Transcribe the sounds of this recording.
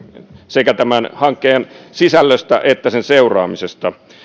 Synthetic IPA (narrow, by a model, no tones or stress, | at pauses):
sekæt̪æmænhɑŋkːeːnsisælːøst̪æ̰ʔet̪ːæsenseurɑ̰ːmisest̪ɑ